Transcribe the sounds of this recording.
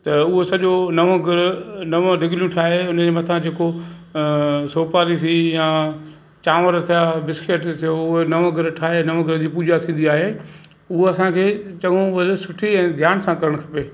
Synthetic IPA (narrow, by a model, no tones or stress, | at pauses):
t̪ɐʊɦosɐʄonɐʋõɡɪɾnɐʋõɾɪɡljũʈʰaːɦeʊnəd͡ʑemɐt̪ʰãd͡ʑeːko | soːpaːɾisʰijã | t͡ɕaːʋəɾt̪ʰijaːbɪskeːʈt̪ʰijoʊɦonɐʋõɡʱɪɾʈʰaːɦenɐʋõɡʱɪɾd͡ʑiːpuːd͡ʑat̪ʰĩːn̆d̪iaːɦeː | ʊɦoɐsãkʰeːt͡ɕɐɠõʋɐləsʊʈʰiɛ̃ːd̪ʱjaːnsãkɐɾəɽ̃kʰɐpeː